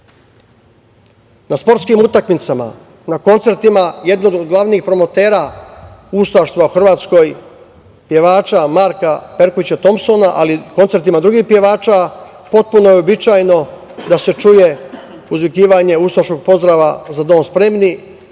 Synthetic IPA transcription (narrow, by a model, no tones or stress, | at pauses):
naspo̞ɾt̪skimut̪akmit̪sama̰ | nako̞nt̪se̞ɾt̪imaje̞d̪nod̪od̪ɡlˠaʋniːxpɾo̞mo̞t̪e̞ːɾa | ust̪aʃt̪ʋauxr̩ʋaːt̪sko̞j | pje̞ʋaːt͡ʃamaɾkape̞ɾkoʋit͡ɕat̪o̞mso̞naʔaliko̞nt̪se̞ɾt̪imad̪ɾuɡiːxpje̞ʋaːt͡ʃa | po̞t̪̚puno̞jeobit͡ʃaːjno̞ | d̪ase̞t͡ʃuje̞ | uzʋikiːʋaɲe̞ust̪aʃko̞ɡ̚po̞zd̪ɾaːʋazad̪o̞ːnspɾe̞mni